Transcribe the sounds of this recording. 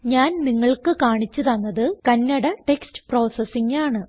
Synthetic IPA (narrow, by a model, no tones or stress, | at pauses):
ɲaːnniŋːɐɭkɨkaːɳit͡ɕːut̪ɐnːɐðɨkɐnːɐɽɐʈekstɨ̥pro̞ːsɐsiŋɡaːɳɨ